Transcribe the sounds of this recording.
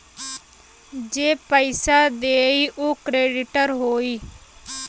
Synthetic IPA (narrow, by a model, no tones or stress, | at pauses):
d͡ʒeːpəɪsaːd̪eːiːʔoːkɾeːɖɪʈəɾɦoːiː